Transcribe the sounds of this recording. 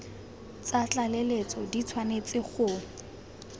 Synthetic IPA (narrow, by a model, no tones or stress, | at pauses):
t͡sat͡ɬʼalelet͡sʼɔdit͡sʰwanet͡sɪχʊ